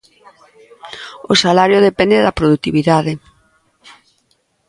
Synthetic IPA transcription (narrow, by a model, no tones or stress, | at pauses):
osalaɾjoðepɛnd̪eðɐpɾoðut̪iβiðaðe